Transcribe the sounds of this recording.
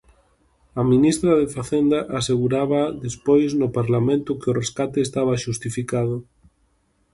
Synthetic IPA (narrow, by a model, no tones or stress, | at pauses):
ɐminist̪ɾaðefaθend̪aʔaseɣuɾaβaðespojznʊpaɾlamẽnt̪ʊkeʊreskat̪eːst̪aβ̞aʃust̪ifikaðʊ